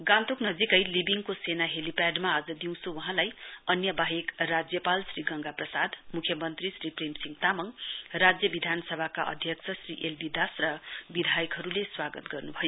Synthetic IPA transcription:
ɡãnt̪uknʌd͡zikʌjlibiŋkosenaɦelipaɖmaːd͡zʌd̪iw̃sʰowʌɦãlajʌnjʌbaɦekrad͡zjʌpalsriɡʌŋɡaprʌsad̪mukʰjʌmʌnt̪risripremsiŋɡt̪amʌŋrad͡zjʌbid̪ʱanʌsʌbʱakaʔʌ̰d̪ʱjʌksʰʌsriʔelbid̪asrʌbid̪ʱajʌkɦʌɾuleswaɡʌt̪ɡʌrnubʱʌjo

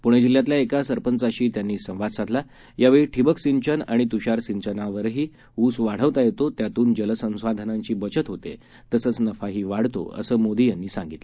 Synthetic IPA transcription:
puɽ̃ed͡ʑiljãt̪̬ljaekasəɾpənt͡saɕiːt̪janːiːsə̃w̃ʋad̪sad̪ʱla | jaʋeɭiʈʰibəksiɲt͡ɕəna̰ɽ̃it̪uɕaɾsiɲt͡ɕənaʋəɾɦiː | uːsʋaɽ̤əʋt̪ajet̪ot̪jat̪uːnd͡ʑələsə̃w̃sad̪ʱənaɲt͡ɕiːbət͡ɕət̪ɦot̪ḛ | t̪əsət͡snəfaɦiːʋaɽ̤t̪o̰ə̰səːmod̪ijanːiːsãŋɡit̪l

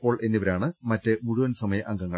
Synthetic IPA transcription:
pːo̞ːɭʔe̞nːiʋɐɾaːɳɨmɐtːɨmuɻuʋɐnsɐmɐjɐʔɐŋɡɐŋːɐ

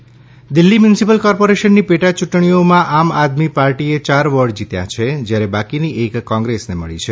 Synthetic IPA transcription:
d̪ilːimjunisipəlkɔɾpoɾeʃənːipeʈat͡ʃuʈɳ̃ijomãʔamad̪mipaɾʈiet͡ʃaɾʋəɾɖd͡ʒit̪ja̰t͡ʃʰed͡ʒjaɾebakiniʔekːɔ̃ŋɡɾesneməɭḭt͡ʃʰe

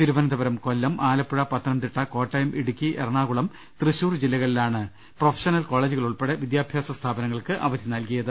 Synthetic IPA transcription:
t̪iɾuʋɐnɐd̪ɐbɐɾɐmko̞lːɐmʔaːlɐpːuɻɐpɐt̪ʰːɐnɐmt̪iʈːɐko̞ːʈːɐjɐmʔiɽukʲːiʔerɐɳaːɣuɭɐm | t̪rɨɕuːrd͡ʑilːɐɣɐɭilaːɳɨ | profʰeɐ̥ʂɐnɐlko̞ːɭeːd͡ʑuɣɐɭuɭpeɽeʋid̪jaːbʱjaːsɐst̪ʰaːbɐnɐŋːɐɭkɨʔɐ̰ʋɐd̪ʱinɐlkijɐðɨ

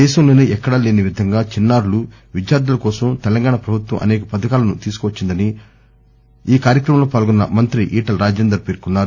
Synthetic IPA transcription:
ɛːʃɐmlo̞ːneːʔɛkːɐɽɐleːnɐʋid̪ʱɐŋɡaːt͡ʃinːaːɾulu | ʋid͡ʒjaːɾd̪ulɐkɔːsɐmt̪ɛlɐŋɡaːɳɐpɾɐbʱut̪wɐ̰mʔɐ̰neːkɐpɐd̪ɐkaːlɐnut̪iːsu̥kʋɐt͡ʃːind̪ɐni | iːkaːɾjɐkɾɐmɐmloːpaːlɡɔnːɐ̰mɐnt̪ɾiʔiːʈɐlɾaːd͡ʒeːnd̪ɾɐɾpe̞ːɾkunːaːɾu

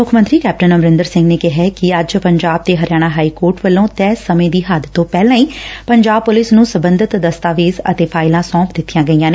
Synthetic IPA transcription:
mʊkʰmənt̪ɾiːkɛːp̚ʈənəmɾɪ̃nd̪əɾsɪ̃ŋɡneːkɪɦɛkɪəd͡ʒpəɲd͡ʒaːb̚t̪eːɦəɾjaːɽ̃aːɦaːiːkoːɾʈʋəlːõːt̪ɛːsəmẽːd̪iːɦaːd̪t̪ːõːpɛːlãːiːpəɲd͡ʒaːb̚pʊlɪsnũːsəbə̃nd̪ʱət̪d̪əst̪aːʋeːzə̰t̪eːpʰaːɪlãːsɔ̃ːpd̪ɪt̪ʰːijãːɡəiːjãːneː

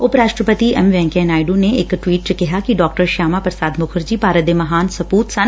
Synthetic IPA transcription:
ʊpɾaːʃʈɾəpət̪iʔɐmʋɛ̃ːŋkɛːnaːjɖuneɪkʈwiːʈ̚t͡ʃəkɪɦakiɖɔːk̚ʈəɾʃaːmapəɾsaːd̪mʊkʰəɾd͡ʒipaːɾəd̪emɐɦaːnsɐpuːt̪sɐ̃n

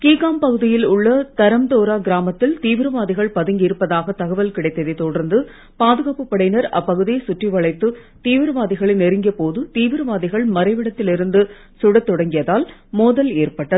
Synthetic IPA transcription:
kiːkaːmpɐɣɯðɪjɪlʊɭːɐt̪ɐɾɐmt̪oːɾaːɡɪɾaːmɐt̪ːɪlt̪iːʋɪɾɐʋaːðɪɣɐɭpɐðɯŋɡɪɾɯpːɐðaːɣɐt̪ɐɣɐʋɐlkɪɽɐɪt̪ːɐðɛɪt̪ːɔɽɐɾnd̪ɯ | paːðɯɣaːpɯpːɐɽɐɪnɐɾɐ̰pːɐɣɯðɪjesʊʈriʋɐɭɐɪt̪ːɯ | t̪iːʋɪɾɐʋaːðɪɣɐɭɪnɛɾɪŋɡɐpoːðɯt̪iːʋɪɾɐʋaːðɪɣɐɭmɐɾɐɪʋɪɽɐt̪ːɪlɪɾɯnd̪ɯ | sʊɽɐt̪ːɔɽɐŋɡɪjɐðaːlmoːðɐleːrpɐʈːɐðɯ

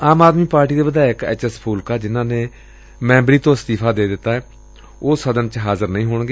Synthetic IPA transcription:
aːmaːd̪miːpaːɾʈiːd̪eːbəd̪aːɪkɛ̰ːt͡ʃɛspʰuːlkaːd͡ʒɪnãːneː | mɛ̃ːmbɾiːt̪õːɪst̪ɪːpʰaːd̪eːd̪ɪt̪ːaːɛː | oːsəd̪ənt͡ʃɦaːzəɾnəĩːɦoːɳɡeː

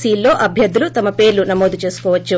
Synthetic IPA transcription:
siːlːo̞ːʔɐbʱjɐd̪ːulut̪ɐmɐpe̞ːɾlunɐmoːd̪ut͡ʃe̞ːsu̥koːʋɐt͡ʃːu

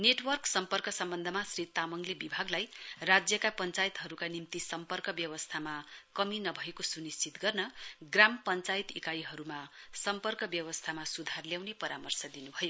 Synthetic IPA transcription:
neʈwʌrksʌmpʌrkʌsʌmbʌnd̪ʱʌmasrit̪amʌŋlebibʱaɡlajrad͡zjʌkapʌnt͡sajt̪ɦʌɾukanimt̪isʌmpʌrkʌbjʌwʌst̪ʰamakʌminʌbʱʌekosunist͡sit̪ɡʌrnʌɡrampʌnt͡sajt̪ikajiɦʌɾumasʌmpʌrkʌbjʌwʌst̪ʰamasud̪ʱarljawnepʌɾamʌrsʌd̪inubʱʌjo

